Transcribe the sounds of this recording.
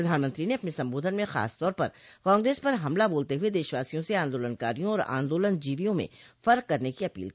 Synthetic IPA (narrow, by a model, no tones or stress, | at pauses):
ɐd̪ʱaːnmə̃nt̪ɾineɐpnesɐ̃mboːd̪ʱənmẽxa̰ːst̪ɔːɾpɐɾkãːŋɡɾeːspɐɾɦɐmlaboːlt̪eɦʊed̪eːʃʋaːsijõseãːnd̪oːlənka̰ːɾijõɔːɾã̰ːnd̪oːlənd͡ʒiːʋijõmḛ̃fɐɾkːɐɾnekiɐpḭːlkiː